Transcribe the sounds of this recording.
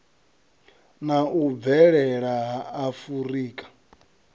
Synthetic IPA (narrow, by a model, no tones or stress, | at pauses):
naub̪vɛɺɛɺaɦaːfuɾiːkʼḁ